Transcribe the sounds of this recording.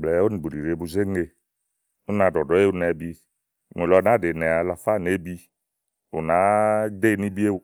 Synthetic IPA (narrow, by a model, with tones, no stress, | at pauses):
blɛ˨˦o˦nĩ˨bu˨di˨ɾe˨bu˨ze˦ŋe˨ | o˦nã˨dɔ˨dɔ˨˦e˦u˦nɛ˨˦bi˧˨ | ŋ˨e˨lɔ˨nã˨˦de˨nɛ˨a˨la˨fa˦˨ne˦bi˦ | o̰˨nã˨˦d̪e˦˨nĩ˦bi˦e˦u˦